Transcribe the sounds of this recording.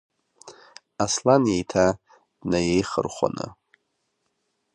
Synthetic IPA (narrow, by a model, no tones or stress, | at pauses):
aslanjejtʰa | d̥najejχə̰rχʷa̰nɨ̰